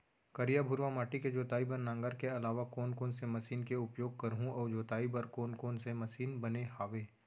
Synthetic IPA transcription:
kɐɾijabʱʊɾʋamaːʈiked͡ʒoːt̪aːibɐɾnãːŋɡəɾkeɐlaːʋakoːnkoːnsemɐsiːnkeʊpjoːɡ̚kɐɾɦũɔːd͡ʒoːt̪aːibɐɾkoːnkoːnsemɐsiːnbɐneɦaːʋeː

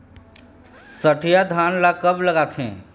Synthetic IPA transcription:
səʈʰijad̪ʱaːnlakəbləɡaːt̪ʰɦɛ̰̃ː

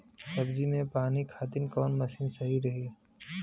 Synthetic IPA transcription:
sɐbd͡ʒinẽpaːnikʰaːt̪ɪnkɔːnmɐsiːnsɐɦiɾɐɦiː

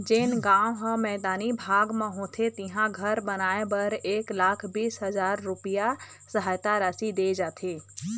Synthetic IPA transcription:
d͡ʒenɡãːõɦə̃mɛːd̪aːnibʱaːɡmãɦõːt̪ʰet̪ɪɦãɡʱəɾbənaːẽbɐɾeːklaːkʰbiːsɦəzaːɾːʊpija | səɦaːjt̪aɾaːsid̪eːd͡ʒaːt̪ʰeː

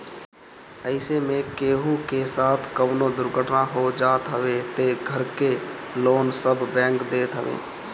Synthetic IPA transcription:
əɪsemẽkeːɦukesaːt̪ʰkəʋnod̪ʊɾɡʱəʈnaɦod͡ʒaːt̪ɦəʋet̪eɡʱəɾke | loːnsəbbɛ̃ːŋkd̪eːt̪ɦəʋḛː

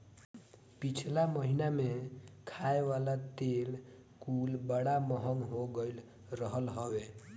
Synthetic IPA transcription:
pit͡ʃʰlaməɦinamekʰaeʋalat̪el | kulbəɽaməɦəŋɦoɡəl | ɾəɦəlɦəwe

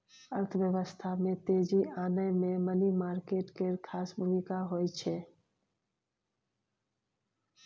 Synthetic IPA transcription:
əɾt̪ʰʋjəʋəst̪ʰamẽt̪eːd͡ʒiʔaːnəjmẽmənimaːɾkeːʈkeɾkʰaːsbʱumĩkaɦoːit͡ʃʰe

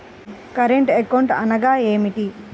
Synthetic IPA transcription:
kɐɾeɳʈekɐwɳʈɐnɐɡaːeːmiʈi

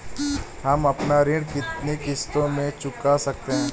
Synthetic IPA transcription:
ɦɐmɐpnaɾɪ̃ɽkɪt̪nekɪst̪õmẽt͡ʃʊkasɐk̚t̪eɦɛ̃ː

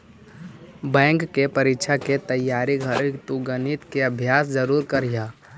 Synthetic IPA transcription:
bɛ̃ːŋkːepəɾɪkt͡ʃʰaket̪əjːaːɾiɡʱəɾt̪uɡənit̪keəbʱjaːsd͡ʒəɾuːɾkəɾjaː

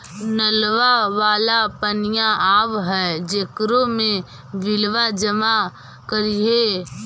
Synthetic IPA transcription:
nəlʋaʋaːlapənɪjaʔaːʋɦɛːd͡ʒekɾõmẽ | ʋɪlʋad͡ʒəma | kəɾiɦeː

